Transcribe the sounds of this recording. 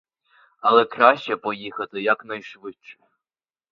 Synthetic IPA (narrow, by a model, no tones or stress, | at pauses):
alˠɛkraʃt͡ʃɛpɔjixɐt̪ɨjaknajʂʋɨt͡ʃʰːɪ̥